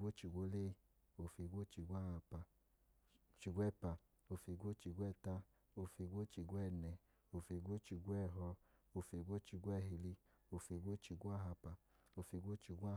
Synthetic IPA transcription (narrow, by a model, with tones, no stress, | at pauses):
o˦t͡ʃi˧ɡʷo˦le˦˧ | o˧fi˧˨ɡʷo˦t͡ʃi˧ɡʷa˦˨ha˧pa˧ | t͡ʃi˧ɡʷɛ˦˨pa˧ | o˧fi˧˦ɡʷo˦t͡ʃi˧ɡʷɛ˦˨ta˦ | o˧fi˧ɡʷo˦t͡ʃi˧ɡʷɛ˦˨nɛ˧˨ | o˧fi˧ɡʷo˦t͡ʃi˧ɡʷɛ˦˨ɦɔ˧ | o˧fi˧˨ɡʷo˦t͡ʃi˧ɡʷɛ˦˨ɦi˧li˧ | o˧fi˧ɡʷo˦t͡ʃi˧ɡʷa˦ɦa˧pa˧ | o˧fi˧˦ɡʷo˦t͡ʃi˧ɡʷa˦